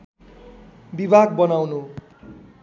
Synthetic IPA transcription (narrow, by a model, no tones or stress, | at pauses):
bibʱaɡbʌnawnu